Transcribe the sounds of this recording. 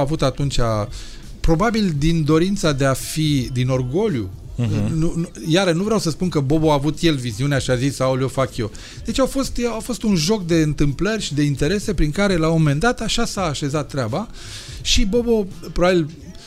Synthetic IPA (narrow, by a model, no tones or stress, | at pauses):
avut̪at̪unt͡ʃa | pɾo̞babild̪ind̪o̞ɾint̪sad̪e̞afid̪ino̞rɡo̞ljṵ | nujaɾənuvɾeawsəspunkəbo̞bo̞aːvut̪je̞lviziuneaʃiazisaulo̞fakjo̞ | d̪̥e̞t͡ʃawfo̞st̪eawfo̞st̪unʒo̞kd̪e̞ɨnt̪ɨmplərʲʃid̪e̞int̪e̞ɾe̞se̞pɾiŋkaɾe̞lao̞me̞nd̪at̪aʃasaːʃe̞zat̪ːɾʲeaba | ʃibo̞bo̞pɾobabil